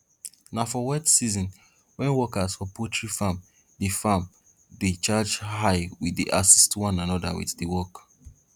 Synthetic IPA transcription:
nafɔwɛtsizɔ̃n | wɛ̃nwɔkasfɔpʰɔtɹifam | difam | det͡ʃad͡ʒhaɪwiðḭʔasistwɔ̃nanɔdawḭθdiwɔk

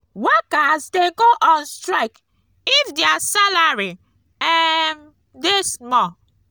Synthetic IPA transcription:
wɛkasdɛ̃nɡoʔɔnstɾaɪk | ifdeasalaɹi | ɛm | desmɔ

